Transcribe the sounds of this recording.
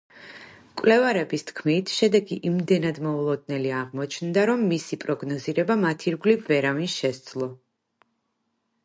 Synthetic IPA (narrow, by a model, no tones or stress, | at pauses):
kʼvlɛvaɾɛbist̪ʰkʰmit̪ʰʃɛd̪ɛɡiʔimd̪ɛnad̪mɔulˠɔd̪̚nɛliaʁmɔt͡ʃʰnd̪aɾɔmːisipʼɾɔɡnɔziɾɛbamat̪ʰiɾɡlipvɛɾavinʃɛsd̪zlˠɔ